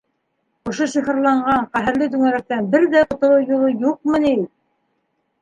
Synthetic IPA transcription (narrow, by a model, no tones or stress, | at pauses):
ŏʃoʃiχɤ̆ɾlˠɑɴɢɑɴqæɦɘ̆ɾlɘd̪ʉŋæɾæk̚t̪ænbɘɾðæŏt̪ŏɾowjŭlˠojuq̚mɤ̆ni